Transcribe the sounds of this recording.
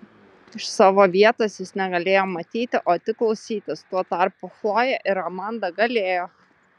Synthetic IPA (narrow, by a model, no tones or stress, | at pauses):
ɪʃsɑːʋoːʋʲiɛt̪oːsjɪsnʲɛɡɐlʲeːjoːmɐt̪ʲiːt̪ʲɪʔoːt̪ʲɪklˠɒʊsʲiːt̪ʲɪst̪uɔt̪ɑˑɾpʊxlˠoːjɛʔɪɾɔmɑnd̪ɐɡɐlʲeːjoː